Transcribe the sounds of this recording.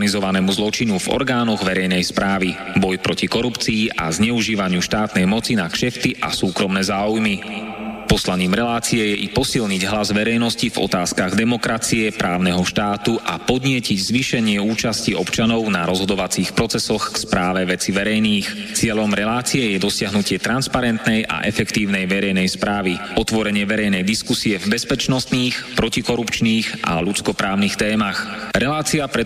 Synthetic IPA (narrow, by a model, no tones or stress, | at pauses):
nizɔʋanɛmuzlɔt͡ʃinuvɔ̰ɾɡaːnɔɣʋɛɾɛjnɛjspɾaːʋi | bɔjpɾɔcikɔɾupt͡siːʔa̰zɲɛuʒiːʋaɲɪuʃt̪aːt̪nɛjmɔt͡sinaʃɛft̪iʔa̰suːkɾɔmnɛːzaːujmipɔslaɲiːmɾɛlaːt͡siɛjɛʔipɔsilɲiɟɦlazʋɛɾɛjnɔscivɔ̰t̪aːskaɣd̪ɛmɔkɾat͡siɛpɾaːʊnɛɦɔʃt̪aːt̪uʔapɔd̪ɲɪɛciɟzʋiʃɛɲɪɛuːt͡ʃasciɔpt͡ʃanɔʊnaɾɔzɦɔd̪ɔʋat͡siːxpɾɔt͡sɛsɔxkspɾaːʋɛʋɛt͡siʋɛɾɛjniːx | t͡sɪɛʎɔmɾɛlaːt͡siɛjɛd̪ɔsɪaɦnucɪɛt̪ɾanspaɾɛnt̪nɛjʔa̰ʔɛ̰fɛkt̪iːʊnɛjʋɛɾɛjnɛjspɾaːʋiɔt̪ʋɔɾɛɲɪɛʋɛɾɛjnɛjd̪iskusiɛvbɛspɛt͡ʃnɔst̪niːxpɾɔcikɔɾupt͡ʃniːʔa̰lut͡skɔpɾaːʊnixt̪ɛːmaxɾɛlaːt͡siapɾɛ